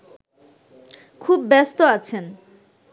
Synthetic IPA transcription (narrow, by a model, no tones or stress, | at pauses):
kʰubːɛst̪oat͡ɕʰen